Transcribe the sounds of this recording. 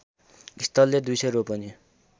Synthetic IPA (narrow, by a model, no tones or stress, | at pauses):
ist̪ʌlːed̪ujsʌjɾopʌni